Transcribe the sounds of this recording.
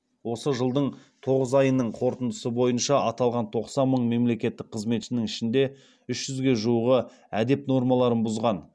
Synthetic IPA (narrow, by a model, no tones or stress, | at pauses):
wo̞səʒəlˠd̪əɴ | t̪ʰo̞ʁəzɑjənəɴqʰo̞ɾt̪ənd̪əsəbo̞jənʃɑʔɑt̪ɑlˠʁɑnt̪ʰo̞qsɑnməɴme̞mle̞kʲe̞t̪ːɪk̚qʰəzme̞t̪ʃɪnɪŋɪʃɪnd̪e̞ | ʏʃʒ̥ʏzɡʲe̞ʒuwuʁə | æd̪e̞pno̞ɾmɑlˠɑɾənbʊzʁɑn